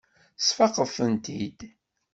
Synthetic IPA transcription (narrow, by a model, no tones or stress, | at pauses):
sfɑqəfənt̪id̪